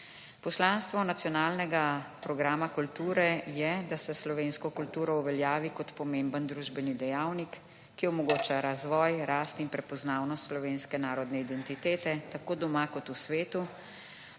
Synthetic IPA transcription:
pɔslanst̪ʋɔnat̪sijɔnaːlnɛɡapɾɔɡɾaːmakult̪uːɾɛjɛd̪asɛslɔʋeːnskɔkult̪uːɾɔuʋɛljaːʋikɔt̪pɔmeːmbənd̪ɾuːʒbɛnid̪ɛjawnikː | iɔmɔɡoːt͡ʃaɾazʋɔːjɾaːst̪inpɾɛpɔznaːwnɔst̪slɔʋeːnskɛnaːɾɔd̪nɛid̪ɛnt̪it̪eːt̪ɛt̪akoːd̪ɔmakɔt̪usʋeːt̪u

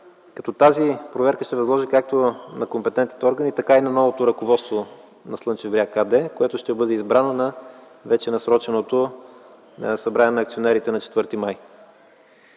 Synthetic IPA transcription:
kɐt̪ɔt̪azipɾovɛɾkəʃt̪ɛvɐzlˠɔʒikak̚t̪onɐkompɛt̪ɛnt̪nit̪ɛɔɾɡənit̪ɐkainɐnɔvot̪oɾɐkovɔt̪st̪vo | nɐslˠɤnt͡ʃɛvɾʲiakad̪ɛkoɛt̪ʊʃt̪ɛbɤd̪ɛizbɾanonɐ | vɛt͡ʃɛnɐsɾɔt͡ʃɛnot̪o | sɐbɾanɛnɐːkt̪sionɛɾit̪ɛnɐt͡ʃɛ̥t̪vɤɾt̪imaj

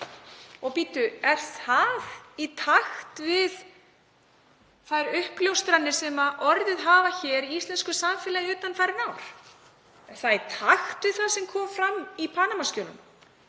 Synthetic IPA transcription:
ɔɣpiːt̪ʏɛɾ̥θθavit̪ʰaxt̪vɪð | θajɾʏhpljowst̪ɾanːɪ̥sɛmaʔɔɾðɪðɦaːvaçɛːɾiist̪ɛnskʏsamfɛːlajʏːt̪anfajɾɪnaːwɾ̥ | θaðt̪ʰaxt̪vɪðθaðsɛmkʰɔːmfɾamːipʰanamaskœːlʏ̰m

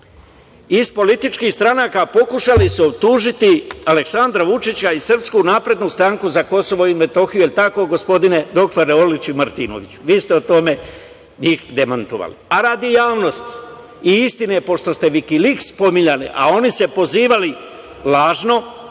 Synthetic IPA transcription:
ispo̞lit̪it͡ʃkiːxst̪ɾanaːkapo̞kuʃalisuo̞b̚t̪uːʒit̪iale̞ksand̪ɾaʋut͡ʃit͡ɕaisr̩pskunaːpɾe̞d̪nust̪ɾaŋkuzako̞so̞ʋo̞ime̞t̪o̞xijuelt̪ako̞ɡo̞spo̞d̪ine̞d̪o̞kt̪oɾeo̞lit͡ɕuimaɾt̪ino̰ʋit͡ɕu̥ʋiːst̪eot̪o̞me̞ | ɲiːxd̪emant̪oʋa̰lḭaɾaːd̪ijaːʋno̞st̪ | iist̪inepo̞ʃt̪o̞st̪e̞ʋikilikspo̞miɲalḭʔa̰o̞nise̞po̞ziːʋali | laːʒno̞

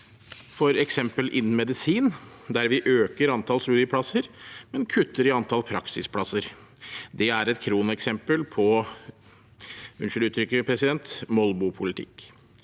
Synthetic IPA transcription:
fɔɾɛksɛmpəlʔɪ̰nn̩mɛd̪ɪsiːn | d̪æɾʋɪʔøːkəɾɑnt̪ʰɑlsɾʉːd̪ɪpʰɽɑsəɾmɛnkʰʉt̪ːəɾɪɑnt̪ʰɑlpʰɾɑksɪspʰɽɑsəɾd̪ɛæɾɛt̪kʰɾuːnəɛksɛmpəlpʰɔ | ʉnʂɪlʉːt̪ʰɾʏkːəpʰɾɛsɪd̪ɛnt̪mɔlbʊpʰʊlɪt̪ʰɪ̰kː

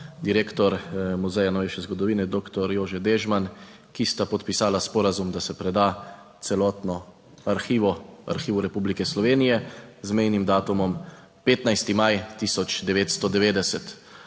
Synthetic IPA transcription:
d̪iɾeːkt̪ɔɾmuzɛjanɔʋeːʃɛzɡɔd̪ɔʋiːnɛd̪oːkt̪ɔɾjoːʒɛd̪eːʒman | kist̪apɔt̪pisaːlaspɔːɾazumd̪asɛpɾɛd̪a | t̪sɛlɔːt̪nɔ | aɾxiːʋɔa̰ɾxiːʋuɾɛpublikɛslɔʋeːnijɛzmɛjnimd̪aːt̪umɔm | peːt̪najst̪imajt̪isɔt͡ʃd̪ɛʋeːt̪st̪ɔd̪ɛʋeːd̪ɛsɛt̪

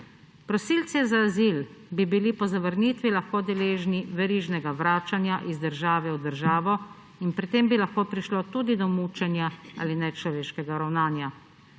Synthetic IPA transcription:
pɾɔsiːlt̪sizaːziːlbibilipɔzaʋəɾniːt̪ʋilaxkoːd̪ɛleːʒniʋɛɾiːʒnɛɡaʋɾaːt͡ʃanjaʔizd̪əɾʒaːʋɛud̪əɾʒaːʋɔ | inpɾit̪eːmbilaxkoːpɾiʃlot̪uːd̪id̪ɔmuːt͡ʃɛnjaa̰linɛt͡ʃlɔʋeːʃkɛɡaɾawnaːnja

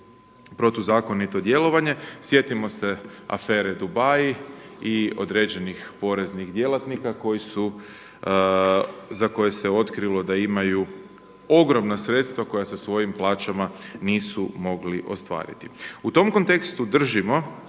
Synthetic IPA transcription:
pɾo̞t̪ozaːko̞nit̪o̞d̪je̞lˠo̞ʋaɲe̞sje̞t̪imo̞se̞a̰feːɾe̞d̪ubajiio̞̰d̪ɾed͡ʑe̞nixpo̞ɾe̞znixd̪je̞lat̪nikako̞jisu | zako̞je̞seo̞t̪kɾilˠo̞d̪aimaju | o̞ɡɾo̞mnasɾe̞t̪st̪ʋako̞jasasʋo̞jimplˠaːt͡ʃamaniːsumo̞ɡliʔo̞̰st̪ʋa̰ːɾḭt̪iut̪o̞mko̞nt̪e̞kst̪ud̪r̩ʒimo̞

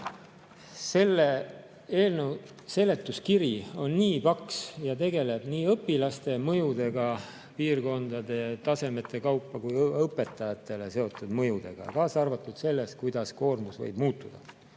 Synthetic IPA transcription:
se̞lːe | eːlnew | se̞le̞t̪ːˑuskiɾio̞nːiːpɑksjɑt̪e̞ɡe̞le̞b̥niːɤpːˑilɑst̪e̞mɤ̞jud̪e̞ɡ̥ɑ | piːrko̞nd̪̥ɑd̪̥e̞t̪ɑse̞me̞t̪ːˑe̞kɑwpːɑkujɤpːˑe̞t̪ːˑɑjɑt̪ːˑe̞le̞se̞o̞t̪ːˑud̪̥mɤ̞jud̪̥e̞̰ɡ̥ɑ̰kɑːsɑrvɑt̪ːˑud̪̥se̞lːe̞st̪̚kujd̪̥ɑsko̞ːrmusvɤ̰jb̥muːt̪ːˑud̪̥ɑ

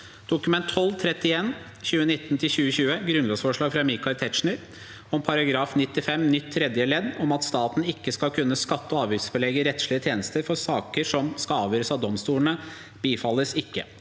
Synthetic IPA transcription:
d̪̥ʊkʉmɛnt̪ʰːɔlːt̪ʰɾɛt̪ːɪeːn | çʉːənɪt̪ːnt̪ʰɪlɕʉːəɕʉːəɡɾʉnloːsfɔʂɭɑːɡfɾɑmɪkɑaɪlt̪ʰɛt̪ʂɳəɾ | ɔmpʰɑɾɑɡɾɑːfnɪt̪ːɪfɛmnʏt̪ʰːɾɛd̪jəlɛd̪ɔmɑt̪st̪ɑːt̪n̩ɪkːəskɑlkʰʉnːəskɑt̪ːɔɑːʋjʏsfɔlɭɛɡəɾɛt̪ʂɭɪət̪ʰjeːnəst̪əɾfɔsɑːkəʂɔmskɑɑːʋjøːɾəsɑʋd̪ɔmst̪uːləɳə | b̥iːfɑlːəsɪkːə

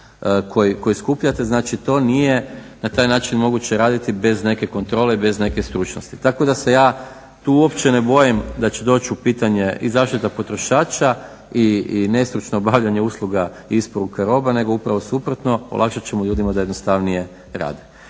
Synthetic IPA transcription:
kʰo̞jiko̞jiskupʎat̪e̞znaːt͡ʃit̪o̞ːnije̞nat̪aːjnaːt͡ʃinmo̞ɡut͡ɕeɾaːd̪it̪ibe̞zne̞ke̞ko̞nt̪ɾole̞ibe̞zne̞kest̪ɾut͡ʃnost̪i̥t̪ako̞d̪ase̞jaː | t̪uːuo̞pt͡ɕe̞nebo̞jimd̪at͡ɕe̞d̪o̞t͡ɕupiːt̪aɲe̞ʔḭzaːʃt̪it̪apo̞t̪ɾo̞ʃaːt͡ʃa | iine̞st̪ɾut͡ʃnoːbaʋʎaɲe̞uːslˠuɡa | iispoɾukaɾo̞bane̞ɡo̞upɾaʋo̞supɾo̞t̪no̞o̰lakʃat͡ɕemoʎuːd̪imad̪aje̞d̪nost̪aʋnije̞ | ɾa̰ːd̪e

